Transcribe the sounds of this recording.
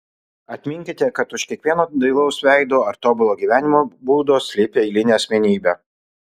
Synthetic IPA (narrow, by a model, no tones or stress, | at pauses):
ɐt̪ʲmʲɪŋʲkʲɪt̪ʲɛkɐt̪ʊʃkʲiɛkʋʲiɛnoːd̪ɐɪlˠɐʊsʋʲæˑɪd̪oːɐɾt̪oːbʲʊlˠoːɡʲiːʋʲæːnʲɪmoːbuːd̪oːsʲlʲɪpʲeːɪlʲɪnʲeːɐsʲmʲɛnʲiːbʲæː